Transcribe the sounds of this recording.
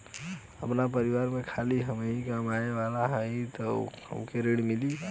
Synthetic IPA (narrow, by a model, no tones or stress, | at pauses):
əpnapəɾiʋaɾmekʰaliɦəmikamaeʋalaɦəit̪ɔ̰hə̰mkeɾeɽmili